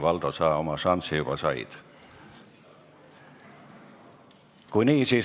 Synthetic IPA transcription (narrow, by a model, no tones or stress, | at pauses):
vɑld̪̥osɑːomɑʃɑnsijub̥ɑsɑḭd̪̥ | kujniːsiː